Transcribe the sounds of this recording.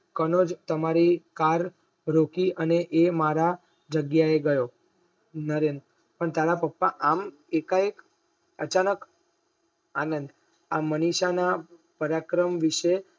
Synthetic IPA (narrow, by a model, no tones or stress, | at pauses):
kənod͡ʒt̪əmaɾikaɾ | ɾokiəneʔemaɾa | d͡ʒəɡjaeɡəjo | nəɾend̪ | pəɳt̪aɾapəpːaʔam | ekaek | ət͡ʃanək | anənd̪ | aməniʃanapəɾakɾəmʋiʃe